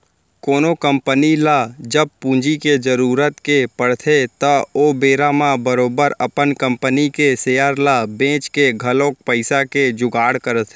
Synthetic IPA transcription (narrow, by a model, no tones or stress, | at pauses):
koːnokə̃mpənilad͡ʒəb̚pũːd͡ʒiked͡ʒəɾuːɾət̪kepəɽt̪ʰet̪əoːbeːɾamãbəɾoːbəɾəpənkə̃mpənikeseːjəɾlabẽːt͡ʃkeɡʱəlõːk̚pəɪsaked͡ʒʊɡaːɽkəɾət̪ʰː